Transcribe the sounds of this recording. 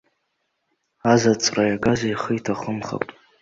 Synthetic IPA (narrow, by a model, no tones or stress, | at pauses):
azat͡sʼrajaɡazaiχəjtʰaχəmχa̰pʼ